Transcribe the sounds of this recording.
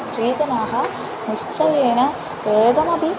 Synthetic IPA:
st̪ɾiːd͡ʒɐnaːɦɐ̆ | niʂt͡ʃɐjeːnɐ | ʋeːɡɐmɐd̪i

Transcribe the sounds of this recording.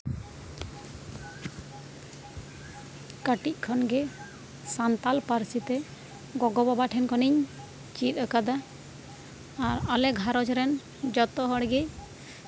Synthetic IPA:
kaʈic̚ˀkʰɔnɡɛ | sant̪alpaɾsit̪ɛ | ɡɔɡɔbabaʈʰɛnkɔniɲ | t͡ʃit̪̚əkad̪a | ɾalɛɡʱaɾɔd͡ʒɾɛn | d͡ʒɔt̪ɔɦɔɽɡɛ

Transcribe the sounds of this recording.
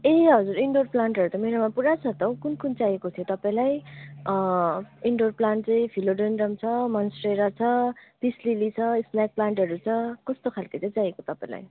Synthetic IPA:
eɦʌd͡zuɾiɳɖorplaɳʈɦʌɾut̪ʌmeɾamapuɽat͡sʰʌt̪ʌwkunkunt͡sajekot̪ʰijot̪ʌpaĩlaj | iɳɖorplaɳʈ̚t͡sʌ̃j̃pʰiloɖenɖʌmt͡sʰʌmʌnsreɾat͡sʰʌb̪̥islilit͡sʰʌisnak̚plaɳʈɦʌɾut͡sʰʌkʌst̪okʰalkʌt͡sʌ̃j̃t͡sajekot̪ʌpaĩla̰j

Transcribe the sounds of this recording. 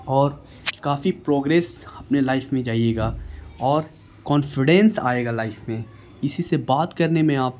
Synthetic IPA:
ɔːɾ | kaːfipɾoːɡɾeːsɐpnelaːɪfmẽd͡ʒaːieːɡaːɔːɾ | kɔːnfɪɖɛ̃nsa̰ːeːɡalaːɪfmẽ | ɪsisebaːt̪kɐɾnemẽaːp̚

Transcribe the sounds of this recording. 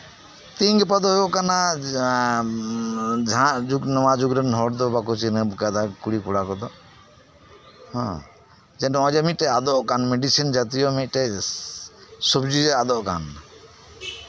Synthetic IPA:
t̪ĩŋɡpəd̪ɔɦjɔʔkana | d͡ʒʱãd͡ʒuɡnɔwad͡ʒuɡɾɛnɦɔɽd̪ɔbakɔt͡ʃinəbkad̪akuɽikuɽakɔd̪ɔ | hɔ̰̃ | d͡ʒɛɖɔ̃ɔ̃d͡ʒɔmiʈɛad̪ɔʔkanmɛɖisind͡ʒat̪ijɔmit̚ˀʈɛ | sɔbd͡ʒid͡ʒad̪ɔʔka̰n

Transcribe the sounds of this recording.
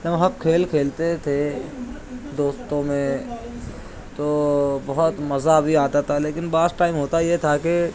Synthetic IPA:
d͡ʒɐbɦɐb̚kʰeːlkʰeːlt̪et̪ʰe | d̪oːst̪õmẽ | t̪obɐɦʊt̪mɐzabʱiaːt̪at̪ʰaleːkɪnbaːsʈaːɪmɦoːt̪ajet̪ʰake

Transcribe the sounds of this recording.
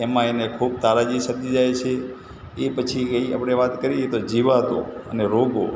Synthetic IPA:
emãenekʰub̚t̪aɾad͡ʒisəd̪id͡ʒajt͡ʃʰe | epət͡ʃʰikəia̰pɽ̃eʋat̪kəɾijet̪od͡ʒiʋat̪o̰əneɾoɡo̰

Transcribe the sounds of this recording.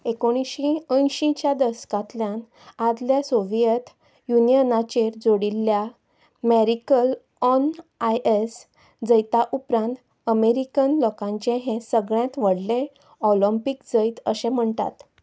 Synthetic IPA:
ekoɽ̃iɕĩə̃jɕĩt͡ɕjad̪əskãt̪ljãn | ad̪ljasoʋijət̪ | junijənat͡ɕeɾd͡zoɽilːja | meɾikəl | ɔnajʔes | d͡zəjt̪aʔupɾãnt̪ | əmeɾikənlɔkãɲt͡ɕẽɦẽsəɡɭjãt̪ʋəɽlẽ | ɔləmpikd͡zəjt̪əsẽm̤əɳt̪a̰t̪

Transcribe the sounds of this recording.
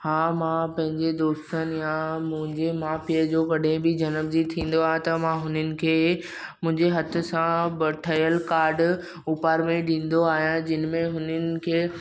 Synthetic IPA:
hãːmãpɐ̃ɦɪ̃ɲd͡ʑed̪oːst̪ənjamʊ̃ɦɪ̃ɲd͡ʑemaːfiəd͡ʑoːkɐɗɦẽbɪd͡ʑɐnəbd͡ʑit̪ʰĩːn̆d̪oaːɦẽt̪ɐmãɦʊnənɪ̆kʰeː | mʊ̃ɦɪ̃ɲd͡ʑeɦɐt̪ʰʊ̆sãbəʈʰəjəlkaːɾɖ | uːpaːɾmẽɗĩːn̆d̪oaːɦijãd͡ʑɪnmẽɦʊnənɪ̆kʰeː

